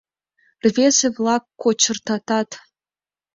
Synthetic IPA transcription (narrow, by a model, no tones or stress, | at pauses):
rvʲezevlˠɑkːot͡ɕə̆rt̪ɑt̪ɑt̪